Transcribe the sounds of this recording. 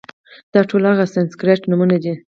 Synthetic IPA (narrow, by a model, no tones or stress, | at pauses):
d̪̥ɑʈʰolaɣasanskɾeʈnumunad̪i